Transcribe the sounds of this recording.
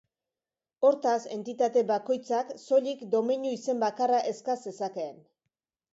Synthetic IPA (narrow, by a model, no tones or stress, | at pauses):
o̞ɾt̪ase̞nt̪it̪at̪e̞βako̞jt͡sakso̞ʎikd̪o̞miɲuise̞mbakaraʔe̞skase̞sake̞ːn